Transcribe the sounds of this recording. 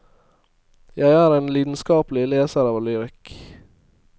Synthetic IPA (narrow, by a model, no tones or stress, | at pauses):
jæɪæːɾeːnliːd̪n̩skɑːplɪleːsəɾɑːʋlyːɾɪk